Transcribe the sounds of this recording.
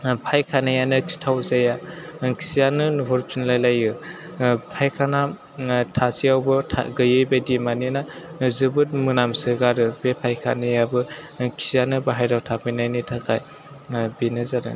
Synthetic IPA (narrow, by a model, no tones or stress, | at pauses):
pʰajkʰanɯjanɯkʰi̥tʰawzajakʰi̥sijanɯnuɦɔɾpʰinlajlajɯ | pʰajkʰana | tʰasiawbɯtʰa̰ɡɯjɯjbajdimaninazɯbɯt̚mɯnamsɯɡaɾɯb̥epʰajkʰa̰nɯjabɯkʰi̥sjanɯbaɦajdawtʰapʰɯjnajnitʰakʰa̰j | binɯzadɯ̰